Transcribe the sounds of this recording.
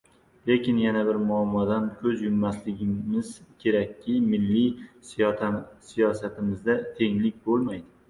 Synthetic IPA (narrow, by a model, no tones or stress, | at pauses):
le̞kʲɪnjanabɪɾmʊamːɒd̪ankʲʰɵzjʊmːaslɪɡʲɪmɪzkʲʰe̞ɾakʲʰːɪmɪlːi | sijɒsat̪ɪmɪzd̪at̪ʰe̞ŋlɪk̚ʲbolˠmajd̪ɪ